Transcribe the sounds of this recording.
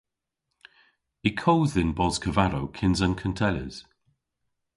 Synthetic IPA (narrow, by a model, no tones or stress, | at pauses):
ikʰowðɪnbɔzkʰəvaɾowkʰɪnzənkʰəntʰɛlə̰z̥